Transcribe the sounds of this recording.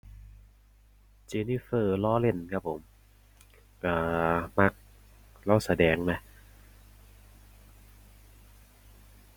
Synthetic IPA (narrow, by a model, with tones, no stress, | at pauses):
t͡ɕeː˧niː˧˥˩fɤː˧˩lɔː˦˥˨le˧˩nkʰa˧˩pʰːo˨˩˦m | ʔaː˧˩ma˧˩k̚ | la˧˥˩wsa˧dɛː˨˦ŋna˦˥